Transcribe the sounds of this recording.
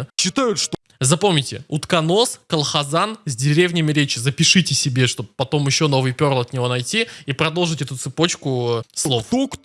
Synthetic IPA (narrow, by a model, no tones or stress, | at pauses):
ɕːɪt̪ajʊt̪ʂt̪ | zɐpo̞mnʲɪtʲɪ̰ut̪kɐno̞skəlˠxɐzanzʲdʲɪɾʲevnʲɪmʲɪɾʲet͡ɕɪzəpʲɪʂɨtʲɪsʲɪbʲe̞ʂt̪o̞b̚pːɐt̪o̞mjɪɕːo̞no̞vɨjpʲo̞ɾlˠɐt̪nʲɪvo̞nɐjtʲiipɾɐd̪o̞lˠʐɨtʲɛt̪ʊt̪sɨpo̞t͡ɕkʊslˠovuk